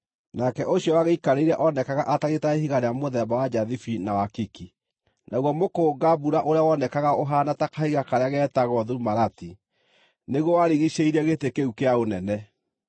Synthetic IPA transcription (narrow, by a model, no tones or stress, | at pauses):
nakɛʔoɕijɔwaɣeikaɾeiɾɛʔɔnɛkaɣaʔataɣetaehiɣaɾeamoðɛbawad͡ʒaðifinawakiki | naɣwɔmokoːɡabuɾaʔoɾeawɔnɛkaɣaoɦanatakahiɣakaɾeaɣɛːtaɣɔðuumaɾati | neɣowaɾiɣiɕeiɾɛɣetekeukeaonɛnɛ